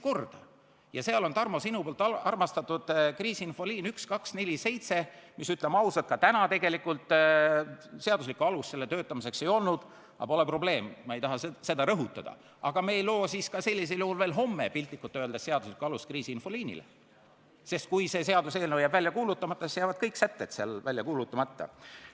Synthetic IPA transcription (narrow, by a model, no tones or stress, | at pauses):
ko̞rd̪̥ɑ | jɑseɑlo̞nt̪ɑrmo̞sinupoːlt̪ːˑɑɑrmɑst̪ɑt̪ːˑud̪̥kriːsiinfo̞liːnykskɑksne̞lʲise̞jt̪se̞misyt̪ˑlemɑusɑt̪̚kɑt̪ænɑt̪e̞ɡ̥e̞likːult̪ˑ | se̞ɑd̪us̬likːuɑlusːe̞lːe̞t̪ø̞ːt̪ːˑɑmise̞kse̞jo̞lnud̪̥ | ɑ̰po̞lepro̞ble̞ːmmɑejt̪ɑɦɑse̞d̪̥ɑɾɤɦut̪ːˑɑd̪̥ɑ̰ | ʔɑɡ̥ɑme̞ːjlo̞ːsiskɑse̞lʲːis̬eljuhulve̞ːlɦo̞mːepilʲt̪ˑːikːut̪ːøld̪ese̞ɑd̪uslikuɑluskriːsiinfo̞liːnḭlḛ | se̞st̪̚kujse̞se̞ɑd̪use̞ːlnejɑbvælʲjɑkuːlut̪ːˑɑmɑt̪ːˑɑsisjæɑːvɑd̪̥kɤjksæt̪ːet̪seɑlvælʲjɑkuːlut̪ːˑɑmɑt̪ːɑ̰